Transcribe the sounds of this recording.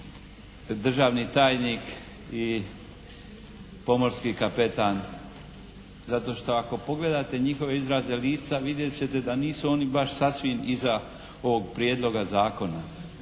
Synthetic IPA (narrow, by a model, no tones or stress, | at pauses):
d̪r̩ʒaːʋnit̪aːjnik | i | po̞mo̞ɾskikape̞t̪aːn | zat̪o̞ʃt̪o̞ako̞po̞ɡle̞d̪aːt̪e̞ɲixo̞ʋeizɾazeliːt̪saʋid̪jet͡ɕe̞t̪e̞d̪aniːsuo̞ːnibaʃsasʋimiza | oʋoɡ̚pɾje̞d̪lo̞ɡazaːko̞na